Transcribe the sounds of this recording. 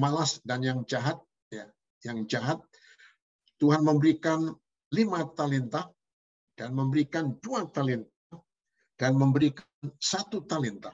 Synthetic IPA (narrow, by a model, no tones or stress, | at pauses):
malasdanjaŋd͡ʒaɦat̪̚ | ja | jaŋd͡ʒaɦat̪̚ | uɦanməmbəɾikan | limat̪alint̪a | d̥anməmbəɾikanduat̪alint̪̚a | d̥anməmbəɾikansat̪ut̪alint̪a